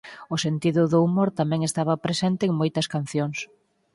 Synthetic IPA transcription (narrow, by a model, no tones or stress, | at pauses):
ʊsent̪iðʊðʊumoɾt̪amɛ̃ŋest̪aβɐpɾesent̪eːŋmojt̪ɐskanθjoŋs